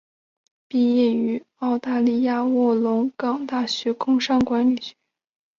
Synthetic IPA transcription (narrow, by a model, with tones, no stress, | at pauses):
pi˥˧jɛ˥˩y˧˥ | ɑ˥˧ʊt̪a˥˧li˥˧ja˥˧wɔ˥˩lʊ˧˥ŋkɑ˨˩ŋt̪a˥˩ɕɥɛ˧˥kʰʊ˥ŋʂɑ˥˩ŋkwa˧˥nli˨˩t͡ɕɛ˧˥˦